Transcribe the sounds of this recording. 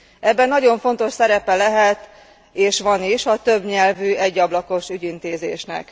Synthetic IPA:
ʔɛbːɛnːɒɟo̞ɱfo̞n̪t̪o̞ʃsɛɾɛpɛlɛɦɛt̪ | eːʃʋɒniʃɒt̪ø̞bɲɛlvyɛɟːɒblɒko̞ʃyɟint̪eːzeːʃnɛ̰k

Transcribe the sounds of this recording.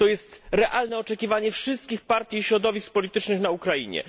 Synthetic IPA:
t̪ɔjɛst̪ɾɛʔalnɛɔt͡ʂɛkʲivaɲɛfʂɘst̪̚kʲixpaɾt̪ʲjiɕɾɔd̪ɔvʲisk̚pɔlʲit̪ɘt͡ʂnɘxnaukɾajḭɲɛ̰

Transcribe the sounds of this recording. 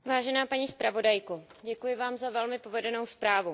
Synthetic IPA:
vaːʒɛnaːpaɲiːspɾavo̞dajko | ɟɛkujɪvaːmzavɛlmɪpo̞vɛdɛnowspɾaːvu

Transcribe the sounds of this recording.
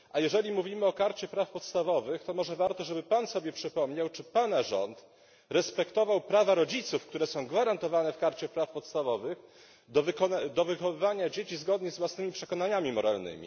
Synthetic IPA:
ʔajɛʐɛlʲimuvʲimɘɔkaɾt͡ɕɛpɾafpɔt̪st̪avɔvɘxt̪ɔmɔʐɛvaɾt̪ɔʐɛbɘpansɔbʲjɛpʂɘpɔmɲawt͡ʂɘpanaʐɔ̰nt̪ | ɾɛspɛkt̪ɔvawpɾavaɾɔd͡ʑit̪sufkt̪uɾɛsɔ̃w̃ɡvaɾant̪ɔvanɛfkaɾt͡ɕɛpɾafpɔt̪st̪avɔvɘx | d̪ɔvkɔnad̪ɔvɘxɔvɘvaɲad͡ʑet͡ɕizɡɔd̪ɲɛzvwasnɘmʲipʂɛkɔnaɲamʲimɔɾa̰lnɘ̰mʲḭ

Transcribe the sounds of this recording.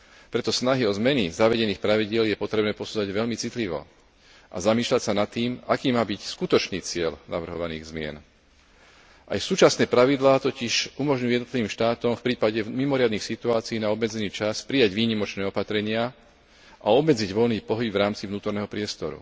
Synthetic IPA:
pɾɛt̪ɔsnaɦiɔzmɛnizaʋɛɟɛniːxpɾaʋiɟɪɛljɛpɔt̪ɾɛbnɛːpɔsuːd͡zaɟʋɛʎmit͡sit̪liʋɔ̰ | ʔa̰zamiːʃlacsanat̪ːiːmakiːmaːbicskut̪ɔt͡ʃniːt͡sɪɛʎna̰ʋr̩ɦɔʋanḭːɣzmɪɛ̰n | ʔa̰jsuːt͡ʃasnɛːpɾaʋid̪laːt̪ɔciʃumɔʒɲujujɛd̪nɔt̪liʋiːmʃt̪aːt̪ɔmfpɾiːpaɟɛmimɔɾɪad̪niːxsit̪uaːt͡siiːnaɔbmɛd͡zɛniːt͡ʃaspɾijaɟʋiːɲimɔt͡ʃnɛːɔpat̪ɾɛɲɪa | ʔaɔbmɛd͡ziɟʋɔlniːpɔɦibvɾaːmt͡sivnuːt̪ɔɾnɛːɦɔpɾɪɛst̪ɔɾṵ

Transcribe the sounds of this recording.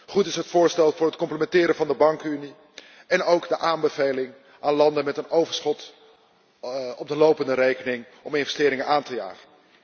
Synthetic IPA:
χutɪsɦətfʊːɹstɛlˠvʊːɹɦətkɔmpləmɛntɪːɾənvɑndəbɑŋkyni | ɛnowɡdəʔaːnbəvejlɪŋ | ʔaːnlɑndənmɛtənowvəɹsχɔt | ɔb̚dəlowpəndəɾejkənɪŋ | ɔmɪnvɛstɪːɾɪŋənaːntəja̰ːχən

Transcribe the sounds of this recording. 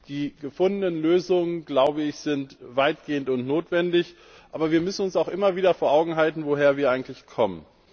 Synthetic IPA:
d̥iːɡəfʊndənənløːzʊŋənɡlaʊbəɪçz̥ɪntvaɪt̚ɡ̥eːəntʊntnoːtv̥ɛndɪç | ʔaːbɐviːɐmʏsn̩ʊnsaʊxʔɪmɐviːdɐfoːɐʔaʊɡŋ̩ɦaltn̩voɦeːɐviːɐaɪɡŋ̩tlɪçkʰɔmən

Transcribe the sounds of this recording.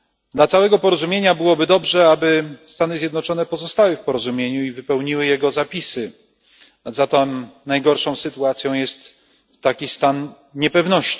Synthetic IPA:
d̪lat̪sawɛɡɔpɔɾɔzumʲjeɲabɘwɔbɘd̪ɔbʐɛabɘst̪anɘzʲjɛd̪nɔt͡ʂɔnɛpɔzɔst̪awɘfpɔɾɔzumʲjeɲuivɘpɛwɲiwɘjɛɡɔzapʲisɘ | zat̪ɔnajɡɔɾʂɔ̃w̃sɘt̪uat̪sʲjɔ̃w̃jɛst̪ː | akʲist̪an | ɲɛpɛvnɔɕt͡ɕi

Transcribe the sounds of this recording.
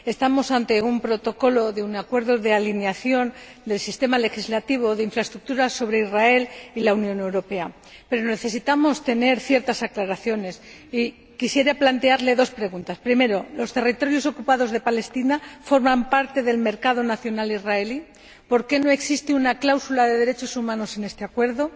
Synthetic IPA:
e̞st̪amo̞sant̪e̞umpɾo̞t̪o̞ko̞lo̞ðeunakwe̞ɾðo̞ðe̞alineaθjo̞n | d̪e̞lsist̪e̞male̞xizlat̪iβ̞o̞ðeiɱfɾaest̪ɾuk̚t̪uɾaso̞β̞ɾe̞izrae̞lilaunjõ̞ne̞wɾo̞pe̞a | pe̞ɾone̞θe̞sit̪amo̞st̪e̞ne̞ɾθje̞ɾt̪asaklaɾaθjo̞ne̞s | i | kisje̞ɾaplant̪eaɾle̞ðo̞spɾe̞ɣ̞unt̪aspɾime̞ɾo̞lo̞st̪e̞rit̪o̞ɾjo̞so̞kupaðo̞zðe̞pale̞st̪inafo̞ɾmãmpaɾt̪e̞ðe̞lme̞ɾkað̞o̞naθjo̞nalizrae̞li | po̞ɾke̞no̞e̞ksist̪eunaklawsulaðe̞ðe̞ɾe̞t͡ʃo̞sumãno̞se̞ne̞st̪eakwe̞ɾðo̞

